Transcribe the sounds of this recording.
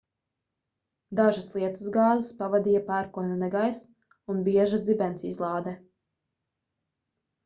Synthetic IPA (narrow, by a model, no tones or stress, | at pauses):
d̪aʒaslˠiɛt̪uzɡɑːzɪspavad̪ijapaːɾkuɔnɛnɛɡajs | unbiɛʒazibɛnt̪siizlˠɑːd̪ɛ